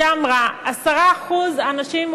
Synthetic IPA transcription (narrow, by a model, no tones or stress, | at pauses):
amʁaasaʁaːχuzanaʃim